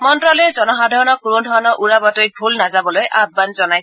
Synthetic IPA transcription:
mɔntɹɔlɔɛzɔnɔɦadʱɔɹɔnɔkunudʱɔɹɔnɔʔuɹabatɔjbʱulnazabɔlojʔab̚banzɔnajsɛ̥

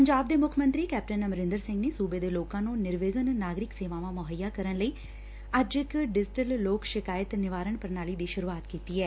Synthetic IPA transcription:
pəɲd͡ʒaːb̚d̪eːmʊkʰəmə̃nt̪ɾiːkɛːp̚ʈənəməɾɪ̃nd̪əɾsɪ̃ŋɡneːsuːbeːd̪eːloːkãːnũːnɪɾʋeːɡənnaːɡɾɪkseːʋãːʋãːmʊɦəjːaːkəɾənləiː | ɐd͡ʒɪkɖɪd͡ʒɪʈəlloːkʃɪkaːjət̪nɪʋaːɾəɳpəɾnaːliːd̪iːʃʊɾuaːt̪kiːt̪iːɛː

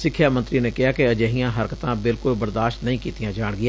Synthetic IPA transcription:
sɪkʰːjaːmə̃nt̪ɾiːneːkɪɦaːkɪəd͡ʒəɦijãːɦəɾkət̪ãːbɪlkʊlbəɾd̪aːʃʈ̪nəĩːkiːt̪ijãːd͡ʒaːɽɡɪjaː

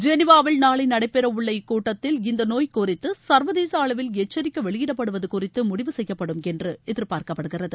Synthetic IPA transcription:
d͡ʒɛnɪʋaːʋɪɭnaːɭɐɪnɐɽɐɪpːɛɾɐʊɭːɐɪkuːʈːɐt̪ːɪlɪnd̪ɐnoːjkʊrɪt̪ːɯsɐɾʋɐðeːsaːɭɐʋɪlɛt͡ʃːɐɾɪkːɐʋɛɭɪjɪɽɐpːɐɽɯʋɐðɯkʊrɪt̪ːɯmʊɽɪʋɯsɛjːɐpːɐɽɯmɛndrɯɛðɪɾpaːɾkɐpːɐɽɯɣɪrɐðɯ

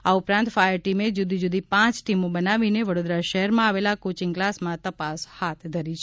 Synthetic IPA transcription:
aupɾãnt̪fajəɾʈimed͡ʒud̪ʱid͡ʒud̪ipãt͡ʃʈimobənaʋineʋəɽod̪ɾaʃəɦɛɾmãaʋelakot͡ʃiŋɡklasmãt̪əpashat̪ʰd̪ʱəɾit͡ʃʰ

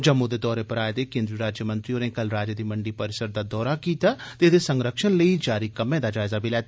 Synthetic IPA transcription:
d͡ʒəmːʊd̪eːd̪ɔːɾeːpəɾaːed̪ekẽːnd̪ɾiɾaːd͡ʒjəmə̃nt̪ɾionẽːkəlɾaːd͡ʒəd̪iːməɳɖiːpəɾɪsəɾd̪aːd̪ɔːɾakiːt̪aːt̪ed̪esəŋɡɾəkʃənləid͡ʒaːɾikəmẽːd̪aːd͡ʒaːɪzabʱilɛːt̪ː

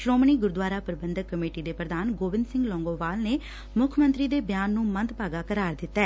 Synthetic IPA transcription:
ʃɾoːməɳiːɡʊɾd̪ʋaːɾaːpəɾɪbənd̪əkːəmeːʈiːd̪eːpɾəd̪aːnɡoːʋɪnd̪sɪ̃ŋɡlɔ̃ːŋɡoːʋaːlneː | mʊkʰmə̃nt̪ɾiːd̪eːbjaːnːũːmənt̪paːɡaːkəɾaːɾd̪ɪt̪ːaɛː

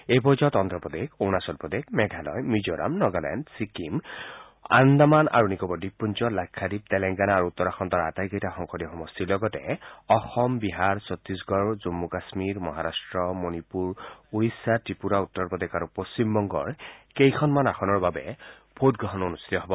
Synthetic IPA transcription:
epɔzɔtɔnd̪ɹɔpɔd̪ekonasɔlpɔd̪ekmɛɡʱalɔ̰jmud͡ʒɔɾa̰mnɔɡalɛ̰ndsikim | a̰nd̪amana̰ɹunikɔbɔdipːunt͡ʃɔlakʰːadip̚t̪ɛlɛŋɡanaːɹuut̪ːɔɹaxɔnt̪ɔɹa̰tajkɔjtaxɔŋxʰɔdiɔxɔmɔst̪ilɔɡɔtɛɔxɔmbiɦaɹsɔt̪ɹisɡɔɹzumːukasmiɹmɔɦaɾastɹɔmonipuɹuɹisːatɹipuɾaut̪ːɔɹpɔd̪ekaɹupost͡ɕimbɔŋɡɔ̰ɹkejkʰɔnmanaxɔnɔɹbabɛ̰ | bʰʱot̚ɡɹɔɦɔnonust̪it̪ɔɦɔbɔ

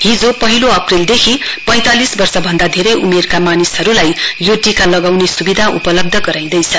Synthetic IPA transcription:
ɦid͡zopʌɦiloʌprild̪ekʰipʌ̃j̃t̪alisbʌrsʌbʱʌnd̪ad̪ʱeɾʌjʔumerkamanisɦʌɾulajjoʈikalʌɡawnesubid̪ʱaʔṵpʌlʌb̚d̪ʱʌɡʌɾaj̃d̪ʌjt͡sʰʌ

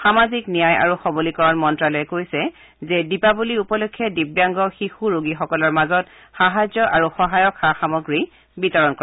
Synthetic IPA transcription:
xamaziknijaja̰ɹuxɔbolikɔɹanmɔntɹalɔjɛkojsɛ | zɛdipabuliupɔlokʰːɛdibjaŋɡɔxixuɹoɡixɔkɔlɔɹmazɔt̚ | xaɦazjɔʔaɹuxɔɦajɔkxaxamɔɡɹi | bitɔɹɔnkɔɹ

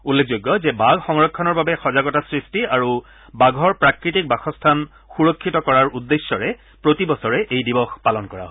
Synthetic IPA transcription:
ulːek̚ʰzoɡːɔzɛbaɡxɔŋɹɔkʰːɔnɔɹbabɛxɔzaɡɔtasɹistiaɹu | baɡʱɔɹpɹakɹitik̚baxɔstʰan | xuɹɔkʰːitɔkɔɹaɹudːesːɔɹɛ | pɹotibɔsɔɹɛʔejdibɔxpalɔnkɔɹa̰ɦɔ

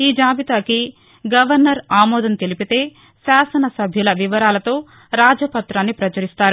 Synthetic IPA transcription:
iːd͡ʒaːbit̪aːki | ɡɐʋɐɾnɐɾaːmɔːd̪ɐnt̪elipit̪e̞ː | ʃaːsɐnɐsɐbʱjulɐʋiʋɐɾaːlɐt̪o̞ː | ɾaːd͡ʒɐpɐt̪ɾaːnːipɾɐt͡ʃɐɾist̪aːɾu

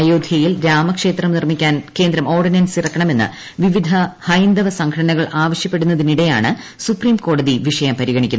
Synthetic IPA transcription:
ɐjoːd̪ʱjɐjilɾaːmɐkʂe̞ːt̪rɐmnirmikʲːaːnke̞ːnd̪ɾɐmo̞ːrɖinɐnsirɐkːɐɳɐme̞nːɨ̰ | ʋiʋid̪ʱɐhɐjnd̪ɐʋɐsɐŋkʰɐɽɐnɐɣɐɭʔaːʋɐɕjɐpːe̞ɽunːɐðiniɽe̞ja̰ːɳɨ | supriːmko̞ːɽɐðiʋiʂɐjɐmpɐɾiɣɐɳikʲːunː

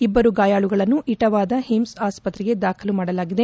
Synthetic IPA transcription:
ibːɐɾuɡaːjaːɭuɡɐɭɐnːuʔiʈɐʋaːd̪ɐɦimsaːspɐt̪ɾɛɡe̞d̪aːkʰɐlumaːɽɐlaːɡid̪e̞

